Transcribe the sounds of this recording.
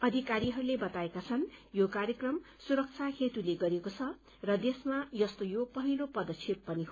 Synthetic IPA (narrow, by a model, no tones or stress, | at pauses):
ʌd̪ʱikaɾiɦʌɾulebʌt̪aekat͡sʰʌnjokaɾjʌkrʌm | suɾʌk̚t͡sʰakʰet̪uleɡʌɾekot͡sʰʌ | rʌd̪esmajʌst̪ojopʌɦilopʌd̪ʌt͡sʰippʌniɦo